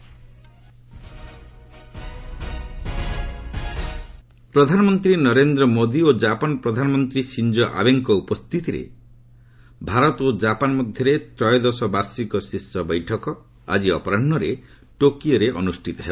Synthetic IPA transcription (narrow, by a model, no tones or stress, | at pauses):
pɾɔd̪ʱanɔmɔnt̪ɾinɔɾend̪ɾɔmod̪iod͡ʒapɔnɔpɾɔd̪ʱanɔmɔnt̪ɾisind͡ʒɔʔa̰beŋkɔupɔst̪ʰit̪iɾḛ | bʱaɾɔt̪od͡ʒapanɔmɔd̪ʱjɔɾet̪ɾɔjɔd̪ɔsɔbaɾsikɔsisːɔbɔjʈʰɔkɔ | a̰d͡ʒiɔ̰pɔɾaɳːɔɾe | ʈokiɔɾeʔɔnusʈʰit̪ɔɦeɔ